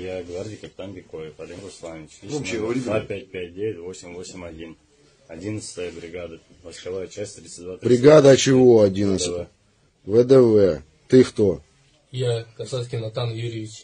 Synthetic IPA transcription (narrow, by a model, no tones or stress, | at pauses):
jaɡvardʲijkəpʲɪ̥t̪anvʲɪkovʲɪfɐd̪ʲemɾʊslˠanʲɪt͡ɕoɕɡɾʲiapʲæt̚ʲpʲæt̚ʲdʲevʲɪtʲvosʲɪmvosʲɪmʲɐdʲin | ɐdʲinət̪st̪əjəbɾʲɪɡad̪ə | məskɐvajət͡ɕasʲtʲt̪ɾʲit̪sɨtʲd̪vat̪ɾbɾʲɪɡad̪ɐt͡ɕɪvoɐdʲinət̪sɨt | vəd̪ɛvɛ | t̪ɨxt̪o | jakɐsat̪kʲɪnɐt̪anjuɾʲivʲɪt͡ʃ